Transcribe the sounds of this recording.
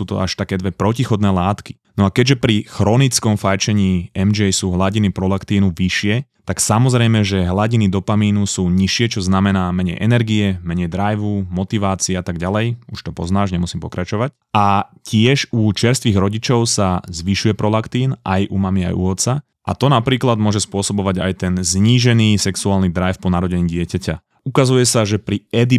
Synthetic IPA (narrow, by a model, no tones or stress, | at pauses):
suːt̪ɔ̰aʃt̪akɛːd̪ʋɛpɾɔcixɔd̪nɛːlaːt̪ki̥ | nɔakɛɟʒɛpɾixɾɔnit͡skɔmfajt͡ʃɛɲiːɛmd͡ʒɛjsuːɦlaɟinipɾɔlakt̪iːnuʋiʃɪɛt̪aksamɔzɾɛjmɛʒɛɦlaɟinid̪ɔpamiːnusuːɲiʃɪɛt͡ʃɔznamɛnaːmɛɲɛ̰jʔɛnɛɾɡiɛmɛɲɛjd̪ɾajʋumɔt̪iʋaːt͡siɛat̪aɡɟalɛjuʃt̪ɔpɔznaːʒɲɛmusiːmpɔkɾat͡ʃɔʋac̚ | acɪɛʒut͡ʃɪɛɾst̪ʋiɣɾɔɟit͡ʃɔʊsazʋiʃujɛpɾɔlakt̪iːnʔa̰jʔumamia̰jṵɔt̪sa | ʔa̰t̪ɔnapɾiːklad̪mʊɔʒɛspʊɔsɔbɔʋaɟa̰jt̪ɛnzɲiːʒɛniːsɛksuaːlnid̪ɾajfpɔnaɾɔɟɛɲiːɟɪɛcaca | ukazujɛsaʒɛpɾiɛd̪i